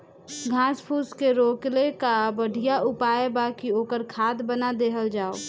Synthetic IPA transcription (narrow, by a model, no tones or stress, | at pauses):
ɡʱãspʰuskeɾoklekabəɽʱijaʔupaebakiokəɾkʰaːd̪bənad̪eɦəld͡ʒaːo